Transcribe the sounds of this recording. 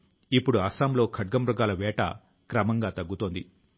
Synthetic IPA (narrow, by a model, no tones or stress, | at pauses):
ipːuɽuɐsaːmlo̞ːkʰɐɖ̚ɡɐmɾuɡaːlɐʋɛːʈɐ̰ | kɾɐmɐŋɡaːt̪ɐɡːut̪oːnd̪i